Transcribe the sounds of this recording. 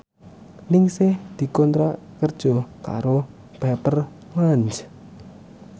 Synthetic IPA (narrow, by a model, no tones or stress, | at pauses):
nɪŋsɪhd̪̥i̤kɔnt̪ɾakərd̥ʒ̥ɔka̰ɾo | b̥ɛpər | laɲt͡ʃ